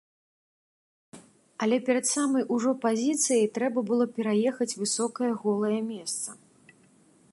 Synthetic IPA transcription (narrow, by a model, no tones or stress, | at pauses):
ɐlʲɛpʲɛɾɐt̪samɐjuʐɔpazʲit̪sɨjɐjt̪ɾɛbɐbɨlˠɔpʲɛɾajɛxɐt͡sʲvɨsɔkɐjɐɣɔlˠɐjɐmʲɛst̪sɐ̥